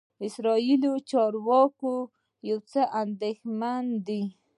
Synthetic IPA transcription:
ɪsɾɑilot͡ʃɑɾwɑko | jawt͡səʔand̪exmand̪i

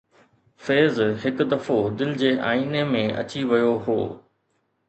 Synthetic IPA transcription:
feːzɦɪkʊd̪ɐfod̪ɪlɪd͡ʑeːʔa̰ːiːnemẽɐ̰t͡ɕiʋɐjoɦo̰ː

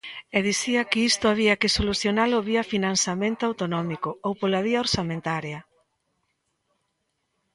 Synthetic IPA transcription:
ɛðiθiɐkɪist̪ʊaβiɐkɪsoluθjonalʊβiɐfinansamẽnt̪ʊawt̪onɔmikʊowpolaβiaoɾsamẽnt̪aɾjɐ

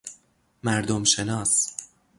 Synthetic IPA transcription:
mæɾd̪omʃe̞nɒːs

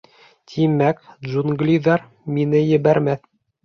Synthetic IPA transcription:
t̪ʰimækdʒunɡlʲiðɑɾ | minɘjɘ̆βæɾmæθ

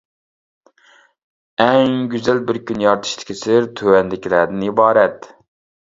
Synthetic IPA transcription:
ɛŋɡʲyzælbɪɾkʲʰynjɑɾt̪ʰɨ̥ʃt̪ʰɪ̥kʲʰisɪɾt̪ʰøwɛnd̪ɪkʲʰilæɾd̪ɪnibɑːɾɛt̪

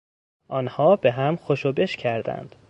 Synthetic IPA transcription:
ʔɒːnhɒːbeɦæmxoʃobe̞ʃcʰæɾd̪æ̰nd̪̥

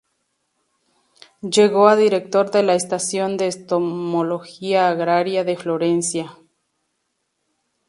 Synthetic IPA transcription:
d͡ʒeɣoad̪iɾek̚t̪o̞ɾðelaest̪asjo̞nd̪e̞ːst̪omolo̞xiaːɣɾaɾjaðe̞flo̞ɾe̞nsja

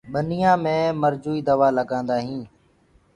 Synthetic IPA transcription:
ɓənɪjãːmẽːməɾd͡ʒuːiːd̪əʋaːləɡãːnd̪aːɦĩː

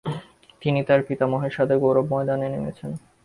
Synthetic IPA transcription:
t̪init̪aɾpit̪amoɦeʃad̪ʰeɡoɾobmɔed̪anenemḛt͡ɕʰen

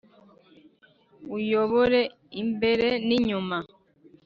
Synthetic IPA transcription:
ujoβoɾe | imbeɾeniɲuma

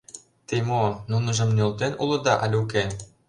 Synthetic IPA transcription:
t̪emonunɤ̆ʒɤ̆mnʲolt̪enʔulɤ̆d̪ɑʔɑlʲuk̬e

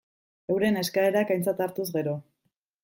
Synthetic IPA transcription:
e̞wɾe̞ne̞skae̞ɾakajnt͡sat̪aɾt̪uzɣe̞ɾo̞

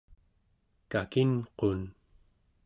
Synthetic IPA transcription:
kakinqon

